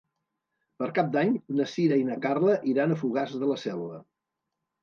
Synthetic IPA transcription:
pəɾkap̚d̪aɲnəsiɾəinəkarləʔiɾanəfuɣazðələsɛlˠβə

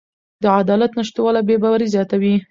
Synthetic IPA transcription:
d̪əad̪ɑlat̪nəʃt̪wɑlabebɑwaɾizjɑt̪awi

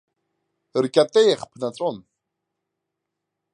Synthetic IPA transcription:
rkʼat̪ʼejχpʰnat͡sʼɔn

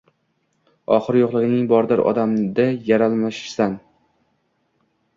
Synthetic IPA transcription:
ɒχɨɾjoqlˠɪɡʲɪnɪŋbɒɾd̪ɪɾʔɒ̰d̪amd̪ajaɾalˠmaʃɪ̥ʃsan

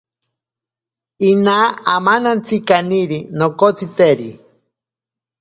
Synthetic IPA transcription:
inaamanant͡sikaniɾinokot͡sit̪eɾi

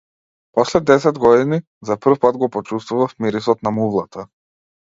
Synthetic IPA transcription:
pɔslɛd̪ɛsɛd̪ɡɔd̪ini | zapr̩fpad̪ɡɔpɔt͡ʃust̪vuvafmiɾisɔt̪namuvlˠat̪a

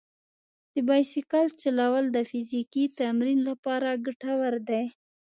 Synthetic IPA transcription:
d̪̥əbɑjsikɑlt͡ʃalawald̪əfizikit̪amɾinlapɑɾaɡaʈawaɾd̪aj

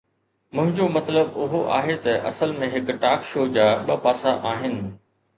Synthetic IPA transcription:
mʊ̃ɦɪ̃ɲd͡ʑomɐt̪ləbʊɦoʔa̰ːɦet̪ɐʔɐ̰səlmẽɦɪkʈaːkʃoːd͡ʑaːɓɐpaːsaʔaːɦɪnɪ̆

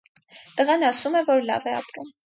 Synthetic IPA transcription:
t̪əʁɑnɑsumɛvɔɾlɑ̰vɛɑ̰pɾum

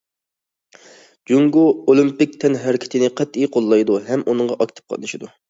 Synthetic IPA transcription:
d͡ʒuŋɡuolˠimpɪk̚ʲt̪ʰɛnɦæɾɪkʲʰɪ̥t̪ʰɪnɪqʰɛt̪ijqʰolˠːɑjd̪uɦɛmʔunɨɴʁɑʔɑkʲt̪ʰɨ̥p̚qʰɑ̰t̪nɨʃid̪u

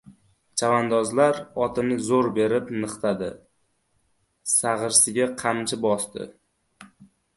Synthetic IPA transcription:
t͡ʃʰavand̪ɒzlaɾɒt̪ʰɪnɪzoɾbe̞ɾɪpnɨqt̪ʰad̪ɪ̰ | saʁɨɾsɪɡʲaqʰamt͡ʃʰɪbɒst̪ɪ̰

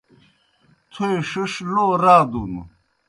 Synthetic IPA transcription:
t̪ʰoiʂuʂloːɾaːd̪unṵ

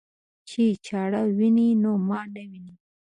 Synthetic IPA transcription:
t͡ʃit͡ʃɑɽawininomɑɖawini

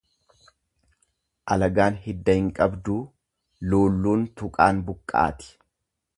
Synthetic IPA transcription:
ʔɐlɐɡaːnhɪd̪ːɐhɪŋkʼɐbd̪uː | loːlːuːnt̪ʊkʼaːnbʊkʼːa̰ːt̪ɪ̥

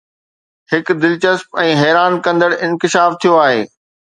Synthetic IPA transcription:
hɪkd̪ɪlt͡ɕəspɛ̃ːɦɛːɾaːnkɐ̃nd̪əɽɪ̃nkɪʃaːft̪ʰijoaːɦeː

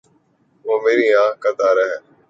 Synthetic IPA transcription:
oːmeːɾiːãːkət̪aːɾəɦɛː

